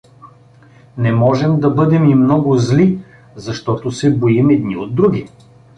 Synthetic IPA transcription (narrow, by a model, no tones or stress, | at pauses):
nɛmɔʒɛmd̪ɐbɤd̪ɛmimnɔɡʊzli | zɐʃt̪ɔt̪osɛbojimɛd̪̚niod̪̚ːɾuɡʲi